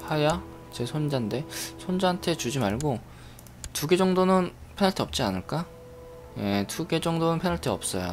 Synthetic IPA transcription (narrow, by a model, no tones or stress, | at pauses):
haja | t͡ɕe̞sʰond͡ʑande̞sʰond͡ʑantʰet͡ɕud͡ʑimaɭɡo | tuɡe̞d͡ʑʌŋdonɯn | pʰenaɭtʰʌp̚t͡ɕ͈ianɯɭk͈a | je̞tuɡe̞d͡ʑʌŋdonɯnpʰenaɭtʰɯʌp̚s͈ʌjo̰